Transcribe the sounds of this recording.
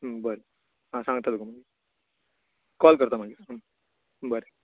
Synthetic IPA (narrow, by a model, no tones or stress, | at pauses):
bɐɾi | ãːsaːŋɡɐt̪ːaːd̪ukːumaŋɡi | kɔːlkɐɾt̪ãːmaŋɡis | bɐɾi